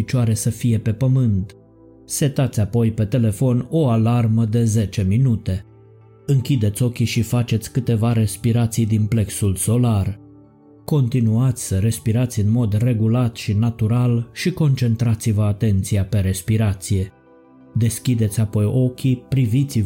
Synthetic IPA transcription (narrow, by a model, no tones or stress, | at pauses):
it͡ʃaɾe̞səfije̞pe̞pəmɨnt̪ | se̞t̪at̪sʲapo̞jpe̞t̪e̞le̞fo̞no̞alarməd̪e̞ze̞t͡ʃe̞minut̪e̞ | ɨŋkʲid̪e̞t̪sʲo̞kʲiʃifat͡ʃe̞t̪sʲkɨt̪e̞vaɾe̞spiɾat̪sijd̪imple̞ksulso̞lar | ko̞nt̪inuat̪sʲsəɾe̞spiɾat̪sʲɨnmo̞d̪re̞ɡulat̪ʃinat̪uɾalʃiko̞nt͡ʃe̞nt̪ɾat̪sivəat̪e̞nt̪siape̞ɾe̞spiɾat̪sije̞ | d̪e̞skʲid̪e̞t̪sʲapo̞jʔo̞kʲipɾivit̪siv